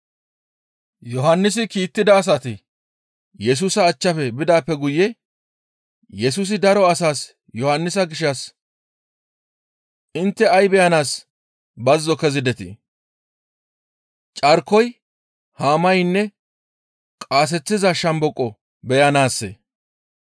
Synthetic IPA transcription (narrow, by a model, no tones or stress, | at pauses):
jɔɦɐnːɪs̬ɪkiːt̪ːɪd̪ɐːs̬ɐt̪ɪ | jɛs̬uːsɐːt͡ʃːɐfɛbɪd̪aːpːɛɡʊjːɛ | jɛs̬uːs̬ɪd̪ɐɾɔɐsaːs | jɔhɐnːɪs̬ɐɡɪʃːɐs | ʔɪnt̪ːɛɐjbɛjɐnaːs | bɐzːɔkɛzɪd̪ɛt̪ɪ̰ | t͡ʃʼɐɾkːɔj | haːmɐjnːɛ | kʼaːs̬ɛt͡sːɪzɐʃɐmbɔkʼːɔ | bɛjɐnaːsːḛ